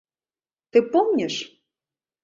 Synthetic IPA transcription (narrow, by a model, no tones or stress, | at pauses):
t̪ɨpomnʲeʃ